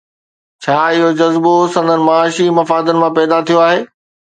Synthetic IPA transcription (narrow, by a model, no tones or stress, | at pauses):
t͡ɕʰaːɪɦod͡ʑɐzbosɐ̃nd̪ənɪ̆mɐaːʃimɐfaːd̪ənɪ̆mãpɛːd̪at̪ʰijoaːɦeː